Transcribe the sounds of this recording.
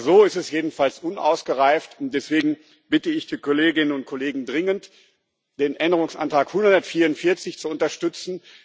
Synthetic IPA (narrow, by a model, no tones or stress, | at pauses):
zoːɪstɛsjeːdn̩falsʔʊnʔa̰ʊsɡ̥əʁaɪftʊnt̚d̥ɛsv̥eːɡŋ̩ | b̥ɪtəɪçd̥iːkʰoleːɡɪnənʊnt̚kʰɔleːɡŋ̩dʁɪŋənt | d̥eːnʔɛndəʁʊŋsʔa̰ntʁ̥aːkhʊndɐtfiːɐʊntfɪɐt͡sɪçt͡suʊntɐʃtʏt͡sn̩